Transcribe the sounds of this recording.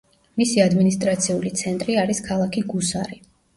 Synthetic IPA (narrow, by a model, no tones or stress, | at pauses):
misiad̪minis̬t̪ʼɾat̪sʰiulit̪sʰɛnt̪ʼɾiaɾiskʰalˠakʰiɡusaɾi